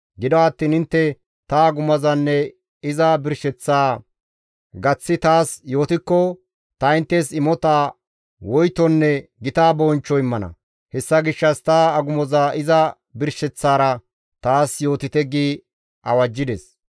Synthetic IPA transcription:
ɡɪd̪ɔɐt̪ːiːnɪnt̪ːɛ | t̪ɐɐɡʊmɐzɐnːɛ | ɪzɐbɪɾʃɛt͡sːaː | ɡɐt͡sːɪt̪aːsjo̞ːt̪ɪkːɔ | t̪ɐɪnt̪ːɛsɪmɔt̪aː | wɔjt̪ɔnːɛɡɪt̪aːbɔːnt͡ʃːɔɪmːɐnɐ̰ | hɛsːɐɡɪʃːɐst̪aɐɡʊmɔzaːʔɪzɐ | bɪɾʃɛt͡sːaːɾɐ | t̪aːsjo̞ːt̪ɪt̪ɛɡiː | ɐwɐd͡ʒːɪd̪ɛs

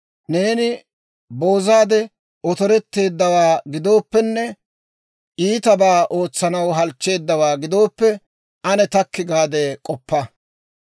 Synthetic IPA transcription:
ne̞ːnɪ | bo̞ːzaːd̪ɛ | ʔɔt̪ɔɾɛt̪ːe̞ːd̪ːɐwaːɡɪd̪o̞ːpːɛnːɛ | ʔiːt̪ɐbaːʔo̞ːt͡sːɐnɐwɦɐlt͡ʃːe̞ːd̪ːɐwaːɡɪd̪o̞ːpːɛ | ʔɐnɛt̪ɐkːɪɡaːd̪ɛkʼɔpːɐ

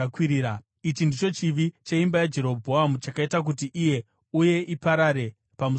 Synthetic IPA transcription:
kwiɾiːa | it͡ʃindit͡ʃo̞t͡ʃiʋit͡ʃaimbajad͡ʒe̞ɾo̞bʱoɦamut͡ʃakaitak̬ut̬iʔije̞ | uje̞ʔipaɾaɾe̞ | pamu

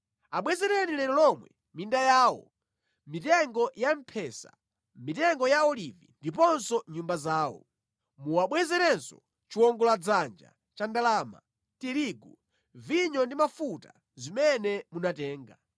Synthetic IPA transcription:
aɓwɛzɛɾɛnilɛɾɔlɔmwɛ̰ | mindajaːwɔ̰ | mitɛŋɡɔjam̩pʰɛsa̰ | mitɛŋɡɔjaɔlivindipɔnsɔɲumbazaːwɔ̰ | muwaɓwɛzɛɾɛnsɔ | t͡ʃiwɔŋɡɔlad͡zand͡ʒa̰ | t͡ʃandalama̰ | tiɾiɡu | viɲɔndimafuta | zimɛnɛmunatɛːŋɡa

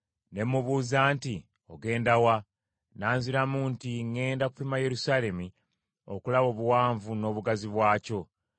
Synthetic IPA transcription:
ne̞mːuβuːzaːnti | oɡe̞ːndawa | naːnziɾamuntiŋːe̞ːndaku̥fimaje̞ɾusaːle̞mi | o̞̰kulaβo̞ːβuwaːɱvuno̞ːβuɡaziβwaːco̞

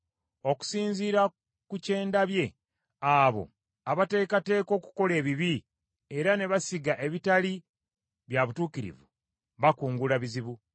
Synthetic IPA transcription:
o̞ku̥siːɲziːɾa | kuce̞ːndaβje̞ | aːβo̞̰ | aβate̞ːkate̞ːko̞ːku̥ko̞le̞ːβiβi | e̞ɾane̞βasiɡaʔe̞βitali | βjaβutuːkiɾḭvṵ | βakuːŋɡulaβiziβu

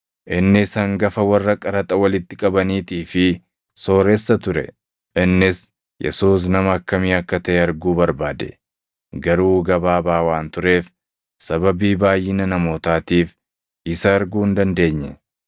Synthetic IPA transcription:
ʔɪnːɪsɐŋɡɐfɐwɐrːɐkʼɐɾɐt̪ʼɐwɐlɪt̪ːɪkʼɐbɐniːt̪iːfɪ | so̞ːɾesːɐt̪ʊɾɛ̰ | ʔɪnːɪs | jɛ̰suːs̬nɐmɐːkːɐmiːɐkːɐt̪ɐʔɛɐɾɡuːbɐɾbaːd̪ɛ̰ | ɡɐɾuːɡɐbaːbaːwaːnt̪ʊɾe̞ːf | sɐbɐbiːbaːjːɪnɐnɐmo̞ːt̪aːt̪iːf | ɪsɐɾɡuːɪnd̪ɐnd̪e̞ːɲːɛ

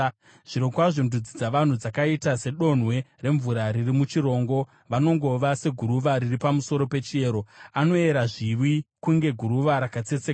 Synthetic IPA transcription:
ʐ̥iɾokwaʐondud͡zid͡zaʋan̤ud͡zakaitase̞ɗo̞n̤we̞re̞ɱvuɾaɾirimut͡ʃiɾo̞ːŋɡo̞ | ʋano̞ŋɡo̞ʋase̞ɡʱuɾuʋaɾiripamuso̞ɾo̞pe̞t͡ʃie̞ːɾo̞ano̞e̞ɾaʐiʋwikuŋɡe̞ɡʱuɾuʋaɾakat͡se̞t͡seka

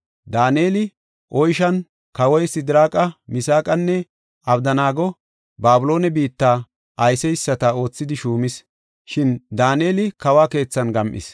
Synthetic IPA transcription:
d̪aːne̞ːlɪ | ʔɔjʃɐn | kɐwɔjsɪd̪ɪɾaːkʼɐmɪsaːkʼɐnːɛ | ɐbd̪ɐnaːɡɔ | baːbʊlo̞ːnɛbiːt̪ːaː | ʔɐjsɛjɪsːɐt̪ɐo̞ːt͡sːɪd̪ɪʃuːmɪs | ʃɪnd̪aːneːlɪkɐwaːke̞ːt͡sːɐnɡɐmʔɪ̰s

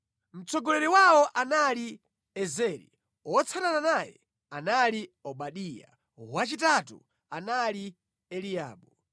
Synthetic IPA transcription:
m̩t͡sʰɔɡɔlɛɾiwaɔʔanali | ɛzɛɾḭ | ɔt͡sʰanananajɛ̰ | analiɔɓaɗija̰ | wat͡ʃitatṵ | anali | ɛlia̰ːɓɔ

